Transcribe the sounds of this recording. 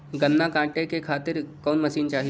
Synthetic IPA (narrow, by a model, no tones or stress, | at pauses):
ɡɐnːakãːʈekekʰaːt̪ɪɾkɔːnmɐʃiːnt͡ʃaːɦi